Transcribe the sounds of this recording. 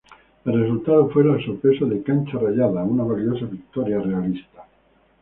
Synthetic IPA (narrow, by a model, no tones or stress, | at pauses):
elres̬ult̪aðofweɾaelsope̞soðekanʲt͡ʃaraʎaðaenunaβaljosaβik̚t̪oɾjare̞alist̪ḁ